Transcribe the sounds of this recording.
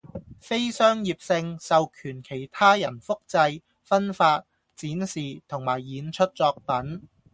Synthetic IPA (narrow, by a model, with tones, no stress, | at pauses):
fe˥jsœː˥ŋjiː˨˧p̚sɪ˧ŋsɐ˨wkʰyː˨˩nkʰe˨˩jt̪ʰaː˥jɐ˨˩nfʊ˥k̚t͡sɐ˧j | fɐ˥nfaː˧t̚ | t͡siː˨˥nsiː˨t̪ʰʊ˨˩ŋmaː˨˩jːiː˨˥nt͡ʃʰɵ˥t̚t͡sɔː˧k̚pɐ˨˥n